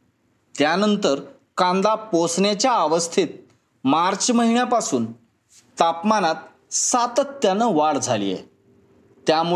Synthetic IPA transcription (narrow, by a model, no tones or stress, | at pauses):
t̪janənt̪əɾ | kãnd̪aposnet͡ɕjaːʋəst̪ʰit̪̚ | maɾt͡ɕməɦiɳjapasuːn | t̪apmanat̪̚ | sat̪ət̪ːjanəʋaɽd͡zʱalḭjḛ | t̪jamu